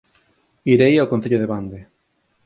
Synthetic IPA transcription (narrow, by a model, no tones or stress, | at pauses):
iɾejaokon̟θeʎoðeβand̪e